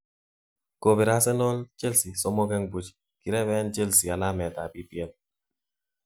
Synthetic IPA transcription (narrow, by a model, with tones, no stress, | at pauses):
ko˨bi˨ɾa˦sɛ˦no˦lt͡ʃe˦lsi˨sɔ˦mo˦kɛ˦ŋbu˦t͡ʃ | ki˨ɾɛ˦βɛ˦nt͡ʃe˦lsi˨a˨la˦mɛ˨ta˨pi˦pjɛ˦l